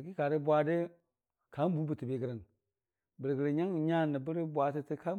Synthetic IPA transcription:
ki˦ka˨ɾə˦bwa˨de˦ | ka˨˦m˦bu˦bə˨ti˨be˨ɡə˨ɾə˨n | bə˨ɾɡə˨ɾə˨ɲa˦ŋ˨ɲa˦˨nə˨bə˦ɾi˦bʷa˨ti˦ti˦ka˦

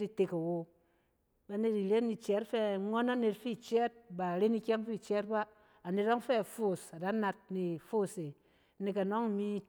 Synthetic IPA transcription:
i˨te˧ka˨wo˨ | ba˨ne˧ti˨le˦ni˨t͡ʃɛ˨˦tfɛ˦˨ŋɔ˦na˦ne˧tfi˦˨t͡ʃɛ˦t̚ba˨ɾe˦ni˦kʲɛ˦mfi˦˨t͡ʃɛ˦t̚ba˦ | a˨ne˨t̚ɔ˦ŋfɛ˦˨fo˦˨sa˨da˨˦na˧t̚ni˨fo˦˨se˨˦ | ne˧ka˨no˦ŋ˨mi˦

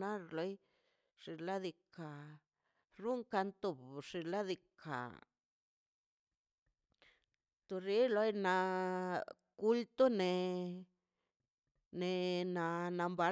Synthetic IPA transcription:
a˦ɾlo˨˧˦j | ʂi˧la˦d̪i˧ka˨ | ɾu˦ŋka˧nt̪u˨bʂi˧˨la˦d̪i˧kʰa̰˨ | t̪u˧ɾi˨˦lo˧jna˧ | ku˧˦lt̪o˦ne˧ | ne˨na˧na˧mba˧

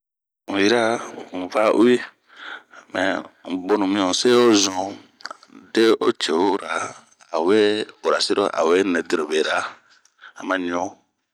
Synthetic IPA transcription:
ũ˨ji˦ɾã˦˨va˦ʔu˦i˦ | mɛ̰˨bo˦nũ˨mĩ˦õ˨se˦o˦zɔ̃˨ | de˦o̰˦t͡ʃe˨o˦ɾa˨ | a˨we˦o˨ɾa˨se˦ɾo˦ʔa̰˨we˦nɛ̃˨de˦ɾo˨be˨ɾa˦ | a˨mã˨ɲĩ˨õ˦

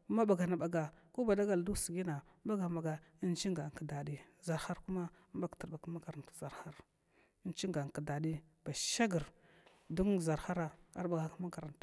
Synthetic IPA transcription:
ma˦ba˨ɡa˨na˨ba˨ɡa˨ko˦ba˨da˦ɡa˨ldu˦sɡi˦na˨˦ba˦ɡa˨ma˨ɡa˨i˦nt͡ʃi˦ŋɡa˨ŋ˨ka˨da˨di˦za˨ɾha˦ɾku˦ma˦mba˦ktə˨ɾba˨ka˦ma˦ka˨ɾa˨n˨tu̥˨za˨ɾha˦ɾ | i˦nt͡ʃi˦ŋɡa˨ŋ˨ka˨da˨di˦b̥a˨ʃa˦ɡi˨ɾ | du˦ŋza˨ɾxa˦ɾa˦a̰˦ɾba˨ɡa˨kma˦ka˨ɾa˨nt

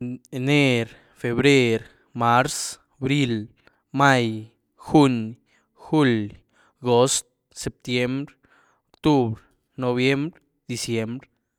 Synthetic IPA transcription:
ne˦ɾ | fe˧βɾe˦ɾ | ma˦ɾs | bɾi˦˧l | ma˦˧j | xu˦ɲ | xu˦l | ɡo˦st̪̚ | se˨p̚t̪je˦mbɾ | okt̪u˦βɾ | no˧βje˦mbɾ | d̪i˧sje˦mbɾ

